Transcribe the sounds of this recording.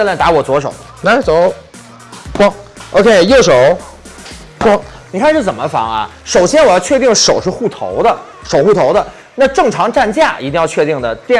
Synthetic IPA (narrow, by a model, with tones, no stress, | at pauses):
t̪a˧˥wɔ˨˩t͡swɔ˧˥ʂ̬o˨˩˦ʊ | na˧˥t͡so˨˧˥ʊ | kɑ˥ŋʔo˧ʊkʰe˥˩ɪjo˥˩ʊʂo˨˩˦ʊ˥ | ŋ | ni˨˩kʰa˥˧nʂɻ̩˥˩t͡sə˨˩nmə˦fɑ̰˧˥ŋɐ̰˧ʂo˨˩ʊɕjɛ˥nwɔ˨˩jɑ˥˧ʊt͡ɕʰɥɛ˥˧t̪i˥˩ŋʂo˨˩ʊʂɻ̩˥˧xu˥˩t̪ʰo̰˧˥ʊd̪ə˧ | ʂo˨˩ʊxu˥˩t̪ʰo˧˥ʊd̪ə˧ | na˥˧ʈ͡ʂɤ˥˩ŋʈ͡ʂʰɑ˧˥ŋʈ͡ʂa˥˧nt͡ɕja˥˩i˧˥t̪i˥˧jɑ˥˧ʊt͡ɕʰɥɛ˥˧t̪i˥˩ŋd̪ə˩t̪jɛ˥˧